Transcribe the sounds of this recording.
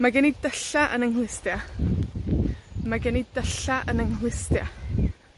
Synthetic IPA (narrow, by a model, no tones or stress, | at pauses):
maɡɛnidəɬaʔənəŋhlwɪstja | maɡɛnidəɬaʔənəŋɦlˠɪstja